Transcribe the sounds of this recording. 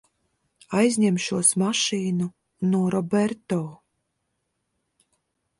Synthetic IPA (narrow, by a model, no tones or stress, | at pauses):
ajzɲɛmʃuɔsmaʃiːnu | nuɔɾʔɔbɛɾt̪ɔː